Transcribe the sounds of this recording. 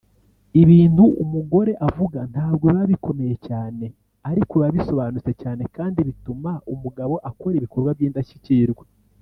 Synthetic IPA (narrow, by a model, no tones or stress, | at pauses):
iβiːntuʔumuɡo̞ɾe̞ʔavuɡan̥haːbɡoβaβiko̞me̞jecaːne̞ | aɾikuβaβiso̞βaːnut͡se̞caːne̞kaːndiβitumaumuɡaβo̞ʔako̞ɾiβiko̞ɾɡwaβjiːndaʃi̥ciɾɡwe